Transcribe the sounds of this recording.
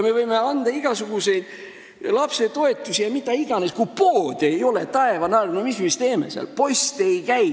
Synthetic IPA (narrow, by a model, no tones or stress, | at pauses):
me̞vɤjme̞ɑnd̪̥ɑiɡ̥ɑsuɡ̥use̞jd̪̥ | lɑpse̞t̪o̞e̞t̪ːˑusijɑmit̪ːˑɑiɡ̥ɑneskujpo̞ːd̪̥e̞jo̞let̪ɑe̞vɑnɑɾnomismist̪e̞ːmḛseɑ̰lpo̞jst̪ejkæj